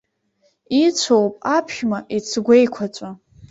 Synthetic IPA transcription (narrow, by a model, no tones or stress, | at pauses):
it͡sʷʰowpʼapʰʃᶣmaʔit͡sʰɡʷejkʷʰat͡ʃʷʼa